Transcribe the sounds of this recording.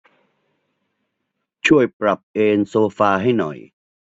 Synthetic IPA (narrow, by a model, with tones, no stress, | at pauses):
t͡ɕʰu˥˩əjpɾa˨˩p̚ʔeː˧nsoː˧faː˧ɦa˥˩jnɔ̰˨˩j